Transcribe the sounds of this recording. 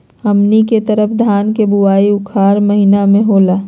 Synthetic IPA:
əmniket̪əɾəpʰd̪ʱaːnkebuaːiʊkʰaːɾməɦinamẽɦoːlaː

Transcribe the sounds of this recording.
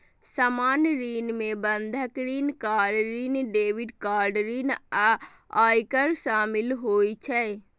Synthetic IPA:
səmanɾinmebənd̪ʱəkɾinkaɖɾinɖeʋiɖkaɾɖɾina | ajkəɾsamilɦojt͡ʃʰɛ

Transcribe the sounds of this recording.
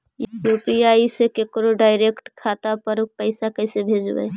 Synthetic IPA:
joːpiaːisekekɾoɖaːɪɾekʈkʰaːt̪apəɾpəɪsakəɪsebʱeːd͡ʒbɛ̰

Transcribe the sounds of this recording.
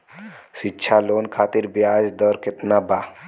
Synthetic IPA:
ʃitːʃʰaloːnkʰaːt̪iɾbjaːd͡ʒd̪ɔɾket̪naba

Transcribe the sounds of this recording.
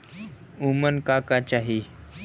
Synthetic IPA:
umənkakat͡ɕaɦi

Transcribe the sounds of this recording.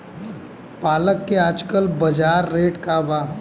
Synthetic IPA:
paːləkːeaːd͡ʒkəlbɐd͡ʒaːɾːeːʈkabaː

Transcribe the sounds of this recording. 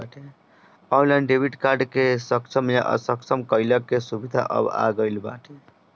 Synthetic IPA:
aʈʰe | ɔlə̃ɳɖɖebʱiʈkaɾɖkesəkt͡ʃʰəmjaʔə̰səkt͡ʃʰəmkəɪləkːesubid̪ʱa̰ʔə̰ba̰ɡəɪlba̰ʈʰe

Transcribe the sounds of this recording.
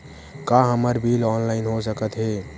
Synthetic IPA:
kaɦəməɾbʱilɔːnlaɪnɦos̬əkət̪ɦe

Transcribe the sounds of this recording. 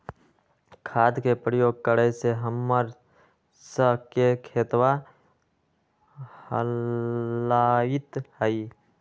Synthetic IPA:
kʰaːd̪kepɾəjoːɡ̚kəɾɛseɦəmːəɾ | səɦkekʰeːt̪wa | hə̰ | laɪt̪həi

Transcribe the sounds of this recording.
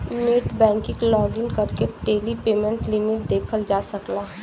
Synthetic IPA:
neːʈbɛ̃ːŋkɪ̃klɔːɡɪnkɐɾkeʈeːlipeːmə̃ɳʈlɪmɪʈ̚d̪eːkʰəld͡ʒaːsɐklaːɦ

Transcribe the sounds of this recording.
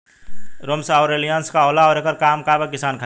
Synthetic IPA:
ɾoːmsaɔːɾelijaːnskaoːlaɔːɾeːkəɾkaːmkaːbəkɪsaːnkʰa

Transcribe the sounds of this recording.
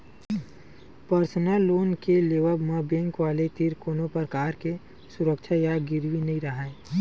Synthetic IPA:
pəɾsnəlːoːnkeleːʋəbmãbɛ̃ŋkʋaːlet̪iɾkoːnõpəɾkaːɾke | sʊɾəkt͡ʃʰajaɡɪɾwinɐɦĩɾəɦa

